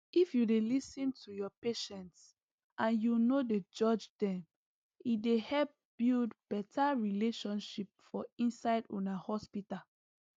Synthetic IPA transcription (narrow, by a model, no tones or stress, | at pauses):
ifjudelisĩntʰujɔpeʃɛ̃nts | ʔãnjunoded͡ʒɔd͡ʒdɛ̃m | idehɛlp̚b̥ildb̥ɛtaɹileʃɔ̃nʃip̚fɔĩnsaɪdṵ̃nahɔspita